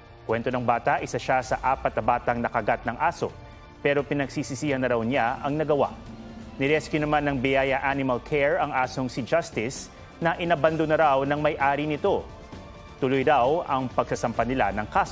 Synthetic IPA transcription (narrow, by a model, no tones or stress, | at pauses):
kwɛnt̪onɐŋbaːt̪ɐʔɪsaʃasɐ̰ʔaːpɐt̪̚nɐbaːt̪ɐŋnɐkɐɡat̪̚nɐŋʔaːso̞̰ | pɛːɾo̞pɪnɐɡsiːsɪsiːhɐnɐɾawnaɐŋnɐɡɐwa̰ʔnɪɾɛskjʊnɐmanːɐŋbɪjaːjɐʔanɪmɐlkʰɛɹɐŋʔaːso̞ŋsɪd͡ʒast̪ɪs | nɐʔɪnɐbɐnd̪onɐɾawnɐŋmɐjʔaːɾinɪt̪o̞ | t̪ʊlojɾawɐŋpɐɡ̚sɐsɐmpɐnɪlanɐŋkaːso